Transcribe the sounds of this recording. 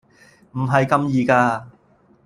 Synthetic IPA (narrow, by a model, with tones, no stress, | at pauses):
m̩˨˩ɦɐ˨jkɐ˧mjiː˧kaː˧